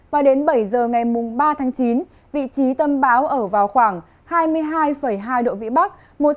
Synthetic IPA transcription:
vaː˨˩ɗe˨˦nɓə˧˩jzəː˨˩ŋa˨˩jmʊ˨˩ŋ͡mɓaː˧t̪ʰaː˨˦ŋt͡ɕi˨˦n | vḭ˧˨t͡ɕi˨˦t̪ə˧mɓa̰ː˨˦wʔəː˧˩vaː˨˩wxwaː˧˩ŋ | haː˧jmɨ˧əjɦaː˧jfə˧˩jɦaː˧jɗo̰˧˨vḭ˧˨ɓa˦˥k̚ | mo˨˩t̚

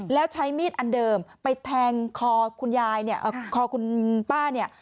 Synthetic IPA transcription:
lɛː˦˥wt͡ɕʰa˦˥jmiː˥˩t̪̚ʔa˧ndɤː˧mpa˧jt̪ʰɛː˧ŋkʰɔː˧kʰu˧njaː˧jni˥˩ɐʔkʰɔː˧kʰu˧npaː˥˩ni˥˩ɐ

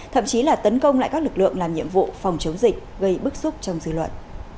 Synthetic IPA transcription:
t̪ʰə̰˧˨mt͡ɕi˨˦laː˨˩t̪ə˨˦nkə˧wŋ͡mla̰ː˧˨jkaː˦˥k̚lɨ˨˩k̚lɨ̰˧˨əŋlaː˨˩mɲḭ˧˨əmvṵ˧˨fɔ˨˩wŋ͡mt͡ɕə˨˦wŋ͡mzï˨˩k̟̚ɣə˧jɓɨ˦˥k̚su˦˥k͡p̚t͡ɕɔ˧wŋ͡mzɨ̰˧˨lwə̰˧˨t̚

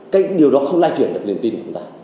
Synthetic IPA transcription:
kaː˨˦˥jk̚ɗi˨˩əwɗɔ˨˦xə˧wŋ͡mlaː˧jt͡ɕwi˧˩ənɗk̚li˨˩ənt̪i˧nkːʊ˨˦t̪aː˧

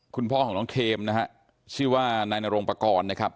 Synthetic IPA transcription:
kʰu˧npʰɔː˥kʰɔː˩˦ŋnɔː˦˥ŋkʰeː˧mna˦˥ha˦˥ʔ | t͡ɕʰɯː˥˩waː˥˩naː˧jna˧ɾo˧ŋpa˧kɔː˧nːa˥˩kʰp̚

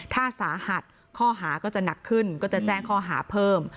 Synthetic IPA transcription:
t̪ʰaː˥˩saː˩˦ha˨˩t̪̚ | kʰɔː˥˩ɦaː˩˦kɔː˥˩t͡ɕa˨˩na˨˩kʰːɯ˥˩nkɔː˥˩t͡ɕa˨˩t͡ɕɛː˥˩ŋkʰɔː˥˩ɦaː˩˦pʰɤː˥˩m

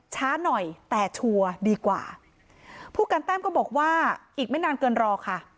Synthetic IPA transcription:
t͡ɕʰaː˦˥nɔ˨˩jt̪ɛː˨˩t͡ɕʰu˧ɐdiː˧kwa̰ː˨˩ | pʰuː˥˩kaː˧nt̪ɛː˥˩mkɔː˥˩bɔː˨˩k̚waː˥˩ʔiː˨˩k̚ma˥˩jnaː˧nkɤː˧nɾɔː˧kʰa˥˩

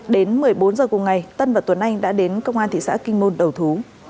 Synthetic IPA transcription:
ɗe˨˦nmɨ˨˩əjɓo˨˦nzəː˨˩kʊ˨˩ŋ͡mŋa˨˩jt̪ə˧nvaː˨˩t̪wə˨˦nʔa˧jŋ̟ɗa̰ː˧˥ɗe˨˦nkə˧wŋ͡mʔaː˧nt̪ʰḭ˧˨sa̰ː˧˥kï˧ŋ̟mo˧nɗə˨˩wt̪ʰu˨˦

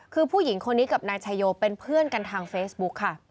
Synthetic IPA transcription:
kʰɯː˧pʰuː˥˩ji˩˦ŋkʰo˧nːiː˦˥ka˨˩p̚naː˧jt͡ɕʰaː˧joː˧pe˧npʰɯ˥˩ənka˧nt̪ʰaː˧ŋfeː˦˥sbu˦˥kʰːa˥˩

